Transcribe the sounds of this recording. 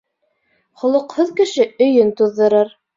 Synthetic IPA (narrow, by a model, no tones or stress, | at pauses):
χŏlˠɤ̆qhoðkɘ̆ʃɘɵ̆jɵnt̪uðːɤ̆ɾɤɾ